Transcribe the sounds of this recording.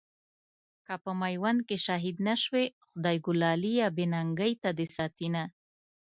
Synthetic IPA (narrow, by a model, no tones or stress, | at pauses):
kapəmajwankeʃɑɦid̪naʃwexʊd̪ɑjɡʊlɑlijɑbenaŋɡəjt̪ad̪esɑt̪ina